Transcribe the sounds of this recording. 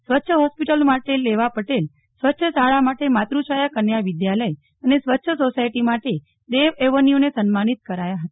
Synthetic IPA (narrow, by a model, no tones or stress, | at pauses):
sʋətːʃʰəɦɔspiʈəlmaʈelːeʋapəʈel | sʋətːʃʰəsaɭamaʈemat̪ɾuʃajəkənjaʋɪd̪jaləj | ənesʋətːʃʰəsosajʈimaʈe | d̪eʋeʋənijonesənmanit̪̚kəɾajaɦət̪a